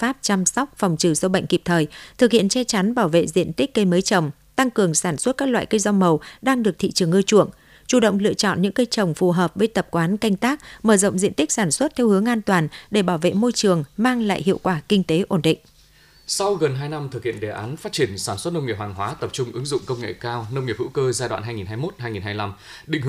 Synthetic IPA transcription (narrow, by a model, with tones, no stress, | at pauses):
faː˦˥p̚t͡ɕa˧msɔ˦˥wk͡p̚fɔ˨˩wŋ͡mt͡ɕɨ˧˩sə˧ɓə̰˧˨jŋ̟ki˨˩p̚t̪ʰəː˨˩jt̪ʰɨ˨˩k̚hḭ˧˨ənt͡ɕɛ˧t͡ɕa˨˦nɓaː˧˩wvḛ˧˨zḭ˧˨ənt̪i˦˥k̟̚kə˧jməː˨˦jt͡ɕə˨˩wŋ͡m | t̪a˧ŋkɨ˨˩əŋsaː˧˩nswə˦˥t̚kaː˦˥k̚lwa̰ː˧˨jkə˧jza˧wŋ͡mmə˨˩wɗaː˧ŋɗɨ˨˩ək̚t̪ʰḭ˧˨t͡ɕɨ˨˩əŋʔɨː˧t͡ɕṵ˧˩əŋ | t͡ɕu˧˩ɗə̰˧˨wŋ͡mlɨ̰˧ət͡ɕɔ̰˧˨nɲɨ̰˧˥ŋkə˧jt͡ɕə˨˩wŋ͡mfu˨˩ɦəː˨˩p̚vəː˨˦jt̪ə˨˩p̚kwaː˨˦nka˧jŋ̟t̪aː˦˥k̚məː˧˩zə̰˧˨wŋ͡mzḭ˧ənt̪ï˦˥k̟̚saː˧˩nswə˦˥t̚t̪ʰɛ˧whɨ˨˦əŋʔaː˧nt̪waː˨˩nɗe˧˩ɓaː˧˩wvḛ˧˨mo˧jt͡ɕɨ˨˩əŋmaː˧ŋla̰ː˧˨jɦḭ˧˨əwkwaː˧˩kï˧ŋ̟t̪e˨˦ʔo˧˩nɗḭ̈˧˨ŋ̟ | sa˧wɣə˨˩nɦaː˧jna˧mt̪ʰɨ˨˩k̚hḭ˧˨ənɗe˨˩ʔaː˨˦nfaː˦˥t̚t͡ɕi˧˩ənsaː˧˩nswə˦˥t̚nə˧wŋ͡mŋi˩p̚haː˨˩ŋɦwaː˨˦t̪ə˨˩p̚t͡ɕʊ˧ŋ͡mʔɨ˨˦ŋzʊ̰˧˨ŋ͡mkə˧wŋ͡mŋḛ˧˨kaː˧wnə˧wŋi˨˩p̚hṵ˧˥kəː˧zaː˧jɗwa̰ː˧˨nɦaː˧ŋi˨˩nɦaː˧jmo˦˥t̚haː˧jŋi˨˩nɦaː˧jla˧m | ɗḭ̈˧˨ŋ˧